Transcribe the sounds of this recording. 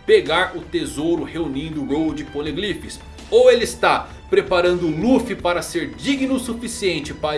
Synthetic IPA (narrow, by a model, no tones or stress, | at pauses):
peɡaɾʊt̪ezowɾʊheunĩnd̪ʊːɡowd͡ʒɪkõleɡlifɪs | owelɪst̪a | pɾepaɾɐ̃nd̪ʊlufipaɾɐseɾd͡ʒiɡinʊsufisiẽnt͡ʃɪpa